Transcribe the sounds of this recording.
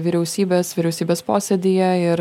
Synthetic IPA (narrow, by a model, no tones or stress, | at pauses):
ʋʲiɾʲɛʊsʲiːbʲeːssʋʲɪɾʲɛʊsʲiːbʲeːspoːsʲɛd̪ʲɪjɛɪɾ